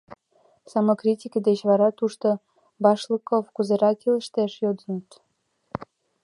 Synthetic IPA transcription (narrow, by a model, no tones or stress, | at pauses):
sɑmokrʲitʲikəd̪et͡ɕβɑɾɑt̪uʃt̪o | bɑʃləkofkuzeɾɑkilə̆ʃt̪eʃjod̪ənət̪